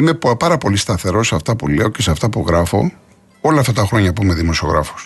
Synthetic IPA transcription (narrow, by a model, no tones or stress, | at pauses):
imeppɐɾɐpolist̪ɐθe̞ɾo̞seɐft̪ɐpule̞o̞ce̞seɐft̪ɐpuɣɾɐfo̞̰ | o̞lɐɐft̪ɐt̪ɐxɾo̞ɲɐpuimeðimo̞sio̞ɣɾɐ̰fo̥s